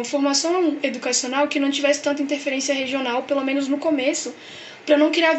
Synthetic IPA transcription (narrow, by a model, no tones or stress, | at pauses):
ɐfoɾmasɐ̃ed̪ukasionawkɪnɐ̃w̃t͡ʃivɛsɪ̥t̪ɐ̃t̪ɐĩnt̪eɾfeɾẽsiɐɦeʒionawpelomẽnʊznʊkomesʊ | pɾɐnɐ̃w̃kɪɾeav